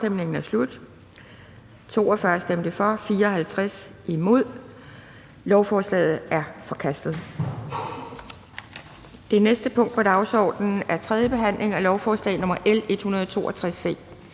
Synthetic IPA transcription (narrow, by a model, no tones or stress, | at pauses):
d̥emne̝ŋn̩æɐslud̥ | t͡sʰo̝ːɒ̽fɶɐsd̥em̰d̥əfɒ̽fiːɐɒ̽ɦhælt͡sʰʁasimo̝ð̞̰ˠ | lɒʊfɒːslɛ̰ːð̞̩ˠæɐfɒ̽kʰæsd̥ð̞̩ˠ | d̥e̝nesd̥əpʰɔ̽ŋ̰d̥̚pʰɒ̽d̥ɑ̈ʊsɒ̰ːd̥nn̩æɐt͡sʰʁɛð̞ˠjəb̥e̝ɦæn̰lʔe̝ŋælɒʊfɒːslɛ̰ɪnɔ̽mɐʔele̝d̥hunɐð̞ˠɒt͡sʰo̝̰ːʔɒt͡sʰʁasːe̝̰ː